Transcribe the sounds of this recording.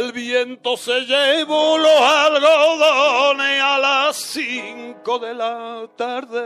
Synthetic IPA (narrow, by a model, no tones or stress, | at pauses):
elβjent̪o̞se̞ʝeβulosalɣoðonealasːiŋkoðe̞lat̪aɾðe